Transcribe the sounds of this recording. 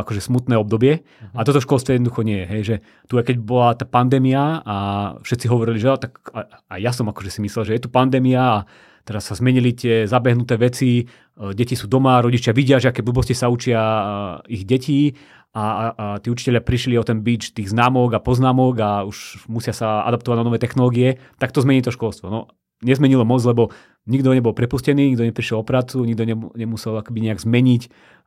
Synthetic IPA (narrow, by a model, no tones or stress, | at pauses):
akɔʒɛsmut̪nɛːɔb̚d̪ɔbɪɛ | at̪ɔt̪ɔfʃkɔlˠst̪ʋɔjɛdnɔd̪uxɔɲɪɛjɛɦɛjʒɛ | t̪uakɛɟ̚bɔlat̪aːpand̪ɛːmiaafʃɛt̪t͡siɦɔʋɔɾiliʒɛat̪aka | ajjasɔmakɔʒɛsimislɛlʒɛjɛt̪upand̪ɛːmiaː | t̪ɛɾasːazmɛɲilit̪ɪɛzabɛɦnut̪ɛːʋɛt͡si | ɟɛcisuːd̪ɔmaɾɔɟit͡ʃjaʋiɟɪaʒɛakɛblubɔscisaut͡ʃɪa | iɣɟɛci | at̪iːut͡ʃi̥cɛʎɪapɾiʃliɔt̪ɛnbiːt͡ʃt̪iːɣznaːmɔɡapɔznaːmɔɡauʃmusɪasaa̰d̪ap̚t̪ɔʋaɟnanɔʋɛːt̪ɛxnɔlɔːɡiɛt̪ak̚t̪ɔzmɛɲiːt̪ɔʃkɔlˠst̪ʋɔnɔ | ɲɛzmɛɲilɔmɔt͡slɛbɔ | ɲiɡd̪ɔɲɛbɔlˠpɾɛpuscɛniːɲiɡd̪ɔɲɛpɾiʃɛlɔpɾaːt͡suɲiɡd̪ɔɲɛɲɛmusɛlakɛbiɲɛaɡzmɛɲic